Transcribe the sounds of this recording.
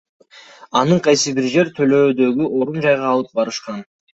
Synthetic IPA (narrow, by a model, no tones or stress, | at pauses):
ɑnɯɴqʰɑjsɯbiɾd͡ʒe̞ɾt̪ʰø̞lø̞ːd̪ø̞ɡʲyʔo̞ɾund͡ʒɑjʁɑːlˠɯp̚bɑɾɯʃqɑn